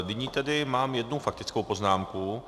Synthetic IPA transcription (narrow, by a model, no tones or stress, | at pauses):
nɪɲiːt̪ɛdɪmaːmjɛdnufak̚t̪ɪt͡skowpo̞znaːmku